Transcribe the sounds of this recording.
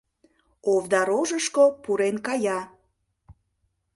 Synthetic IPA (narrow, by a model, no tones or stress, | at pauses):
ovd̪ɑɾoʒəʃkopuɾenkɑjɑ